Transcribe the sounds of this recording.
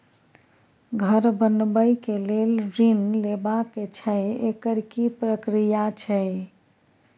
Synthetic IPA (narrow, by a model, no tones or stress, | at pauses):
ɡʱəɾbənbəjkelelɾinlebakːet͡ʃʰəjekəɾkipɾəkɾijat͡ʃʰəj